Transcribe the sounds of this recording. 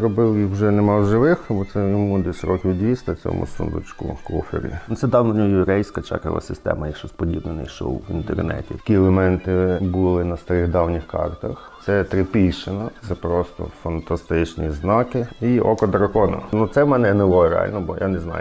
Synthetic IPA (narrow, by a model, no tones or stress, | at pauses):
ɾɔbɪlˠjixwʒɛnemɑwʒɪʋɪxbɔt̪sɛjɔmud̪ʲisʲɾɔkʲiʋʲwd̪ʲʋʲist̪ɐt͡sʲɔ̰mʊ̰sṵnd̪ʊ̰t͡ʃkʊ̰kɔfʲḭɾʲḭʊsɛd̪ɑwnnʲɔjʊɾɛjsʲkɐt͡ʃa̰kɐ̰lˠɐ̰sɪst̪ɛ̰mɐjɐkʃt͡ʃɔspɔdʲibnɪnɪjʃɔ̰wḭnt̪ḛrnɛ̰tʲikʲiɛlˠemɛnt̪ɪbulˠɪnɐst̪ɐɾɪɣd̪ɑwnʲɪxkɑ̰rt̪ɐxt̪sɛt̪ɾɪpʲijʃɪnɐt̪sɛpɾɔst̪ɔ̰fɐnt̪ɐst̪ɪt͡ʃnʲiznɑkɪiɔ̰kɔd̪ɾɐkɔnɐ̰nut̪sɛmɛnɛnɪlˠɔɾea̰lʲnɔbɔja̰neznɑ̰jʊ